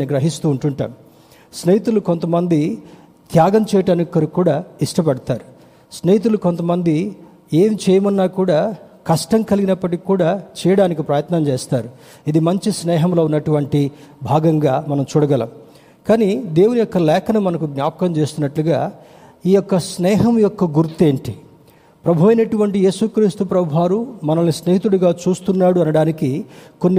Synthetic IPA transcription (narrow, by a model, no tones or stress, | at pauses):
niɡɾɐɦist̪uːɳʈuɳʈa̰ːmu | snjit̪uluko̞nt̪ɐmɐnd̪i | t̪ʰjaːɡɐmt͡ʃɛːjɐʈɐnukːɐɾukuːɽaːiʂʈɐp̬ɐɽɐt̪aːɾu | snejt̪̬ulukont̪ɐmɐnd̪i | e̞ːmt͡ʃɛjɐmɐnːaːkuːɽaːkɐʂʈɐmkɐliɡinɐpːɐʈ̬ikːuːɽaːt͡ʃɛːjɐɽaːnikipɾɐjɐt̪nɐmt͡ʃeːst̪aːɾu | id̪imɐɲt͡ʃisnɛːɦɐmlo̞ːunːɐʈuʋɐɳʈibʱaːɡɐŋɡaːmɐnɐmt͡ʃuːɽɐɡɐlɐ̰m | kaːnid̪e̞ːwunijɔkːɐlɛːkʰɐnɐmɐnɐkuɡnjaːpɐkɐmt͡ʃe̞ːst̪unːɐʈluɡaː | iːjɔkːɐsnɛːɦɐmjɔkːɐɡuɾt̪e̞ːɳʈi | pɾɐbʱɐʋɐjnɐʈuʋɐɳʈije̞ːsukɾiːst̪upɾɐbʱaːɾumɐnɐlnisneːɦit̪uɽuɡaːt͡ʃuːst̪unːaːɽuɐnɐɽaːnikikonːi